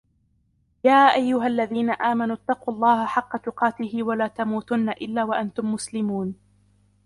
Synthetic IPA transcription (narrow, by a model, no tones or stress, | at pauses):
jaːʔajːʊɦalːaðiːnaʔaːmanuːt̪ːɑquːɑlˤːɑːhaħɑqːɑt̪ʊqɑːt̪ɪhɪwalaːt̪amuːt̪ʊnːaʔɪlːaːwaʔant̪ʊmːʊslɪmuːn